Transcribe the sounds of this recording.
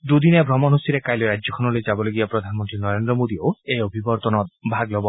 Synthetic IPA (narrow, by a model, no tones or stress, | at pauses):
d̪ud̪inebʱɾɔmɔnɦosiɾekajleɾad͡ʒjɔkʰɔnɔled͡ʒabɔloɡiapɾɔd̪ʱanɔmɔnt̪ɾinɔɾend̪ɾɔmod̪ioeobʱibɔɾt̪ɔnɔt̪bʱaɡlɔbɔ